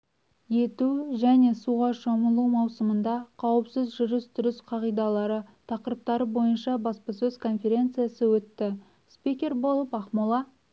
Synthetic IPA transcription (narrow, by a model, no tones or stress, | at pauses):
je̞t̪uʒæne̞suʁɑʃoməlˠumɑwsəmənd̪ɑqʰɑwəpsɪzʒʏɾɪst̪ʰʏɾɪsqʰɑʁijd̪ɑlˠɑɾət̪ʰɑqəɾəp̚t̪ɑɾəbo̞jənʃɑbɑspəsɵzkʰo̞nfʲe̞ɾʲe̞nt̪sɨjasəwɵt̪ːɪ | spʲikʲe̞ɾbo̞lˠəpɑχmolˠɑ